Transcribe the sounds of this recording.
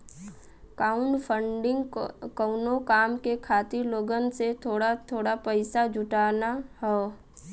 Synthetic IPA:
kaːʊɳpʰəɳɖɪŋɡkəʊnokaːmkekʰaːt̪ɪɾloːɡənset̪ʰoːɽat̪ʰoːɽapəɪsad͡ʒʱʊʈaːnaɦɛː

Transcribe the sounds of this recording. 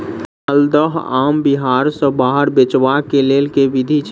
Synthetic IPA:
əld̪əɦaːmbiɦaːɾsə̃baːɦəɾbet͡ʃʋakeleːlkeʋid̪ʱit͡ʃ

